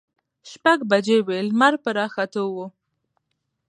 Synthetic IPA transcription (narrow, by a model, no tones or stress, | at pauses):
ʃpaɡbad͡ʒewelmaɾ̚pəɾɑxat̪owo